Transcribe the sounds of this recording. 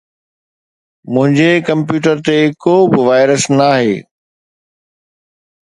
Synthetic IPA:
mʊ̃ɦɪ̃ɲd͡ʑekɐ̃mpjuːʈ̬əɾt̪eɪkobɪʋaːɪɾəsnaːɦḛː

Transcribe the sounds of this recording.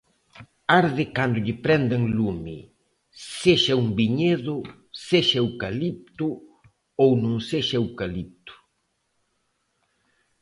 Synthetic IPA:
aɾðɪkand̪ʊʎɪpɾɛnd̪aŋllumɪ̰ | seʃɐuŋbiɲeðʊ | seʃɐewkalip̚t̪ʊ | ownõŋseʃɐewkalip̚t̪ʊ̥

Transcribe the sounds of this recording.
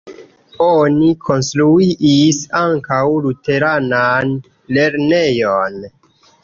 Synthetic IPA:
onikʰo̞nstɾuiʔisaŋkawlute̞ɾanan | le̞ɾne̞jon

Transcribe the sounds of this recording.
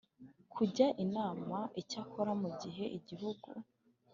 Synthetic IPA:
kʰuɟaʔinaːmaʔicakʰoɾamuɟiɦe̞ʔiɟiɦuɡṵ

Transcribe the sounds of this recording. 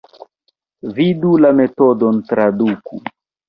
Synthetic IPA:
vidulametodontɾadukṵ

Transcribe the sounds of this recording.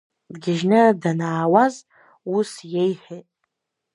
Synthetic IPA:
dɡʲɪʒnɨdanaːwaz | usjejħʷᶣetʼ

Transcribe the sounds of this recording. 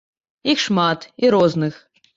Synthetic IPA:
ixʂmat̪iɾɔznɨx

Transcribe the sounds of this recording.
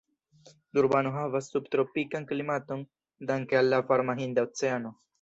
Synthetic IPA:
d̪uɾbanuɦaʋɐst̪upt̪ɾopːikɐŋkəlimat̪uŋ | d̪ɐŋkelːafaɾmaɦiːnd̪ɐt̪t͡sɐjano

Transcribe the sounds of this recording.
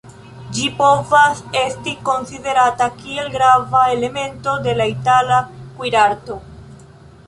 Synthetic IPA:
d͡ʒipovase̞st̪iko̞nsiðe̞ɾat̪akie̞lɡɾavaele̞mẽ̞nt̪o̞d̪e̞lait̪alakwiɾaɾt̪o

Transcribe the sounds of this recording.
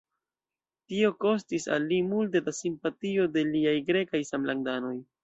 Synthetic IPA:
tio̞ko̞stisa̰lːimulte̞dasimpatio̞de̞liajɡɾe̞kajsamlaŋdano̞j

